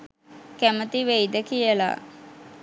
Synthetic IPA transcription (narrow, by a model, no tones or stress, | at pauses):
kæmət̪iʋejd̪əkijəla̰